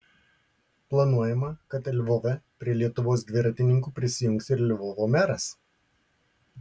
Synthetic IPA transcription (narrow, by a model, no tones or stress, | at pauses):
plˠɐnuɔjɛmɐkɐt̪ɛlʲʋɔʋʲɛpʲɾʲiɛlʲiɛt̪ʊʋoːs̬d̪ʲʋʲɪɾɐt̪ʲɪnʲɪŋkuːpʲɾʲɪsʲɪjʊŋksʲɪɾɛlʲʋɔʋoːmʲæɾɐs